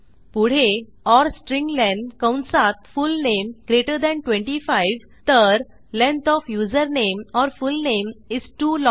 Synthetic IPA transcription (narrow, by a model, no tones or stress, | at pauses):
puɽ̤e | ɔɾsʈɾĩŋlɛ̃ɳɖkə̃wnsat̪̚fulnẽmɡɾeʈəɾd̪ɛ̃ɳʈwẽɳʈifaɪʋ | t̪əɾ | lẽnt̪ɔfjuːzəɾnẽmɔɾfulnẽmizʈuːlɔ̃